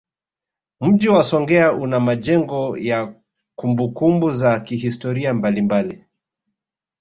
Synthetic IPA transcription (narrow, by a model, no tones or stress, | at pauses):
m̩ʄiwasɔŋɡɛaʔunamaʄɛŋɡɔja | kumbukumbuzakiɦistɔɾiambalimbali